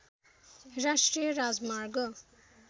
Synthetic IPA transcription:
rasʈrijʌɾad͡zmarɡʌ

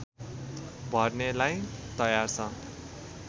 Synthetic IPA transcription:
bʱʌrnelajt̪ʌjart͡sʰʌ

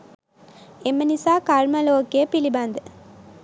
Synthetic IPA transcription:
emːənisaːkɐɾmɐloːɡijəpilibɐnd̪ɨ

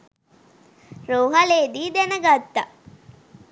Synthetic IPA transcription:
ɾoːɦɐleːd̪iːd̪enəɡat̪ːa

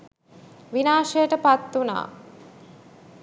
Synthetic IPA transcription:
ʋinaːʂejəʈəpat̪ːuna̰ː

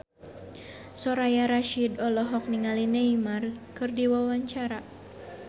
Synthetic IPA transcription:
sɔɾajaɾaʃidɔlɔɦɔk̚niŋalineimarkɨrdiwawaɲt͡ʃaɾa

